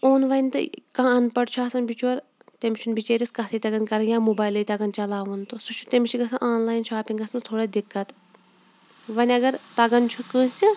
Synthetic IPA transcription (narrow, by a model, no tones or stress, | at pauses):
oːnʋɐnʲt̪ɨ̰kãːɐnpɐɽt͡ʃʰuaːsɐnbit͡ʃʰuɐɾ | t̪emʲt͡ʃʰunbit͡ʃeːɾʲiskɐt̪ʰɐt̪ɐɡɐnkɐɾɐnjaːmubaːjlɐjt̪ɐɡɐnt͡ʃɐlaːʋɐnt̪usut͡ʃʰu̥t̪emʃiɡɐsɐʔaːnlaːjnʃaːpʲiŋɡɐsmɐt̪ʰoːɽɐd̪ikːɐt̪ | ʋɐnʲɐɡɐɾt̪ɐɡɐnt͡ʃʰukəːnsʲi